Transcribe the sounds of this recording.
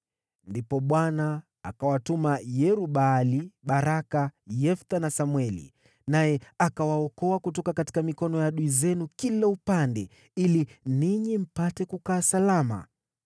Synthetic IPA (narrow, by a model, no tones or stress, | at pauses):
ndipɔɓwana̰ː | kawatumajɛɾuɓaliɓaɾakajɛft̪anasamwɛlḭ | najɛakawaɔkɔakutɔkakati̥kamikɔnɔjaɗuizɛnukilaupandɛ | iliniɲim̩patɛkukaːsalama̰